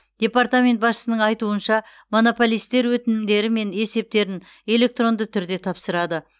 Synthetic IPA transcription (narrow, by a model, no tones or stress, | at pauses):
d̪̥ʲe̞part̪amʲe̞nt̪̚bɑsʃə̥sənəɴɑjt̪uənʃɑ | mo̞no̞po̞lijst̪e̞ɾwɵt̪ɪnɪmd̪e̞ɾɪme̞ne̞se̞p̚t̪e̞ɾɪn | e̞le̞k̚t̪ro̞nd̪ət̪ʰʏɾd̪e̞t̪ʰɑpsəɾɑd̪ə